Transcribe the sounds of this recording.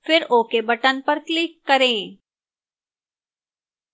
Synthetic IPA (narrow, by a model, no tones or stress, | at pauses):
fɪɾoːkebɐʈənpɐɾklɪkːɐɾẽː